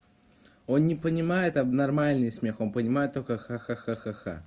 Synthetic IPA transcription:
o̞nnʲɪpənʲɪmajɪt̪ɐbnɐrmalʲnɨjsmʲe̞xo̞npənʲɪmajɪt̪ːo̞lʲkəxaxaxaxaxa̰

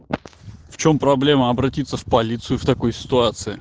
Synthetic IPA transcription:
ft͡ɕo̞mpɾɐblʲe̞məɐbɾɐtʲit̪sːəfpɐlʲit̪sɨjʊft̪ɐko̞jsʲɪ̥t̪ʊat̪sɨɪ

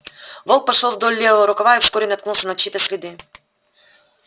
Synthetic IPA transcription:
volˠk̚pɐʂolˠvd̪olʲlʲevəvəɾʊkɐvajɪfskoɾʲɪnɐt̪knulˠsʲənɐt͡ɕːit̪əsʲlʲɪd̪ɨ

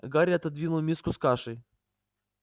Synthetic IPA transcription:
ɡaɾʲɐt̪ɐd̪vʲinʊlˠmʲiskʊskaʂɨj

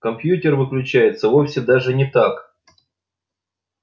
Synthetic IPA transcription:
kɐmpjutʲɪrvɨklʲʉt͡ɕæjɪt̪səvofsʲɪd̪aʐɨnʲɪt̪ak

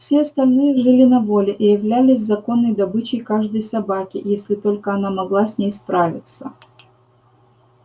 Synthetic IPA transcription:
fsʲeɐst̪ɐlʲnɨjəʐɨlʲɪnɐvo̞lʲɪʔijɪvlʲælʲɪsʲzɐko̞nːəjd̪ɐbɨt͡ɕɪjkaʐd̪əjsɐbakʲɪjesʲlʲɪt̪o̞lʲkəɐnamɐɡlˠasʲnʲejspɾavʲɪt̪sə

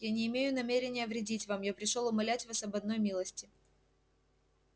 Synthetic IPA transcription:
janʲɪːmʲejʊnɐmʲeɾʲɪnʲɪjəvɾʲɪdʲitʲvamjapɾʲɪʂolˠʊmɐlʲætʲvasɐbɐd̪no̞jmʲilˠəsʲtʲɪ

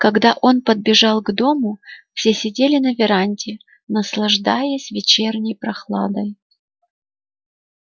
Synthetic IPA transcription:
kɐɡd̪aʔo̞npəd̪̚bʲɪʐɑlˠɡd̪o̞mʊfsʲesʲɪdʲelʲɪnəvʲɪɾanʲtʲɪ | nəslˠɐʐd̪ajəsʲvʲɪt͡ɕernʲɪjpɾɐxlˠa̰d̪əj

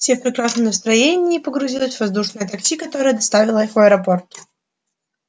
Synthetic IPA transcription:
fsʲefpɾʲɪkɾasnəmnəst̪ɾɐjenʲɪːpəɡɾʊzʲilˠəsʲvɐzd̪uʂnɨjət̪ɐkt͡ɕʲikɐt̪o̞ɾəjəd̪ɐst̪avʲɪlˠəxɐɛɾɐpo̞rt̪

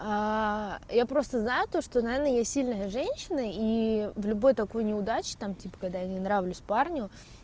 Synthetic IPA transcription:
a | japɾo̞st̪əznajʊt̪o̞ʂt̪onɐvʲernəjasʲilʲnəjəʐɛnʲɕːɪnəivlʲʊbo̞jt̪ɐko̞jnʲɪʊd̪at͡ɕɪ̥t̪amtʲipə̥kɐɡ̚d̪ajanʲɪnɾavlʲʊsʲparnʲʊ

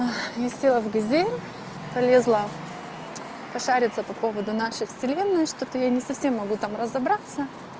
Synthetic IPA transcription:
jasʲelˠəvɡɐzʲenʲ | pɐlʲe̞zlˠə | pɐʂaɾʲɪt̪səpɐpo̞vəd̪ʊnaʂɨjfsʲɪlʲe̞nːɨjʂt̪ot̪əjanʲɪsɐfsʲe̞mːɐɡut̪amrəzɐbɾat̪sə

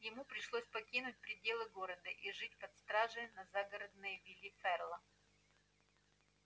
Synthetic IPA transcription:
jɪmupɾʲɪʂlˠosʲpɐkʲinʊt̚ʲpɾʲɪdʲe̞lˠɨɡo̞ɾəd̪əʔiʐɨt̚ʲpɐt̪st̪ɾaʐɨjnɐzaɡəɾəd̪̚nɨjvʲilʲifɛrlˠə

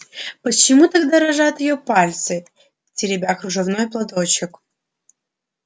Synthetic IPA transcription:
pət͡ɕːɪmut̪aɡd̪aɾɐʐat̪jɪjopalʲt̪sɨ | tʲɪɾʲɪbʲaxɾʊʐɨvnojplˠad̪o̞t͡ɕɪk

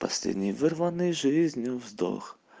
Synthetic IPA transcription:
pɐsʲlʲḛdʲnʲɪjvɨrvɐnɨjʐɨzʲnʲjʊvzd̪o̰x

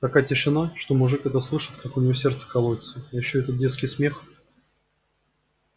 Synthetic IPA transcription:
t̪ɐkajətʲɪʂɨnaʂt̪omʊʐɨkɛt̪əslˠɨʂɨ̥t̪kʰakʊnʲɪvosʲe̞rt̪sə̥kɐlˠovʲɪt̪səjɪɕːɵɛt̪ət̪̚dʲet̪skʲɪjsmʲe̞x

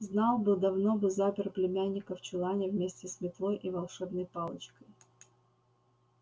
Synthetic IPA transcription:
znɑlˠbɨd̪ɐvno̞bɨzapʲɪrplʲɪmʲænʲːɪkəft͡ɕʊlˠanʲəvmʲesʲtʲɪsmʲɪt̪lˠo̞jʔivɐlˠʂɛbnəjpɑlˠət͡ɕkəj

